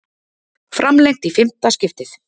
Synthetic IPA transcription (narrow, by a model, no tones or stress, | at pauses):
fɾamlejŋt̪ifɪm̥t̪ascɪft̪ɪθ